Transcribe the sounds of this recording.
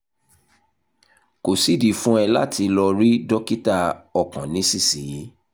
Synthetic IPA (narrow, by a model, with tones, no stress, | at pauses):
ko˨si˦di˨fũ˦ɛ˧la̰˦˨ti˧lɔ˧ɾi˦dɔ˦ki˦ta˧ɔ˨kã˨nĩ˨˦si˦˨si˨ji˨˦